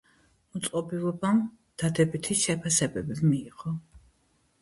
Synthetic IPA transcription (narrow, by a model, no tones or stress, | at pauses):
mɔt̪sʼqʼɔbilˠɔbam | d̪̥ad̪ɛbit̪ʰiʃɛpʰasɛbɛbimiːʁɔ